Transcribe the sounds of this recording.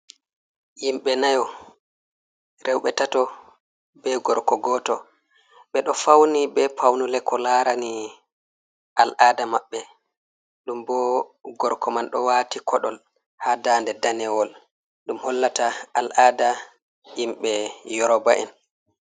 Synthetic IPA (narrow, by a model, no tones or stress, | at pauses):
jimɓɛnajɔ | ɾɛwɓɛtatɔ | bɛɡɔɾkɔɡɔːtɔ | ɓɛɗɔfawnibɛpʰawnulɛkɔlaɾani | ʔalʔaːdamaɓːɛ | ɗumbɔɡɔɾkɔmanɗɔwaːtikʰɔɗɔl | hadaːndɛdanɛwɔl | ɗumhɔlːataalʔaːda | jimɓɛjɔɾɔba̰ʔɛ̰n